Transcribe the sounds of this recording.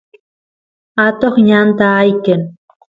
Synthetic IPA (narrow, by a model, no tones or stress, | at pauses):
at̪oχɲant̪aːjkən